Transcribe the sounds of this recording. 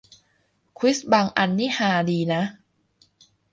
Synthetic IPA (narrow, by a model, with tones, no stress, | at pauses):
kʰwi˦˥sbaː˧ŋʔa˧nːiː˥˩haː˧˩diː˧na˦˥